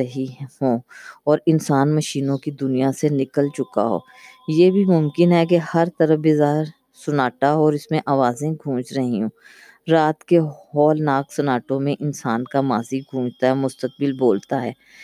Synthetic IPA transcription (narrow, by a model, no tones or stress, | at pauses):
ɐɦihõːɔːɾɪnsaːnmɐʃiːnõkid̪ʊnijasenɪkəlt͡ʃʊka̰ɦo̰ː | jeːbʱimʊmkɪnɦɛkehɐɾt̪ɐɾəfbɪzaːɦɪɾ | sʊnaːʈaɦɔːɾɪsmẽʔaːʋaːzẽɡʱũːt͡ʃɾɐɦĩɦũː | ɾaːt̪keɦɔːlnaːksɐnaːʈõmẽʔɪnsaːnkamaːziɡʱũːd͡ʒt̪aɦɛmʊst̪ək̚bɪlboːlt̪aɦɛː